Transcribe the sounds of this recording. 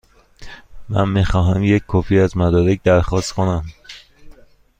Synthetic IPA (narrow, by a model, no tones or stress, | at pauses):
mæ̰nmixɒːɦæmjecʲkʰɒːfiːæzmæd̪ɒːɾec̚d̪æɾxɒːst̪kʰonæm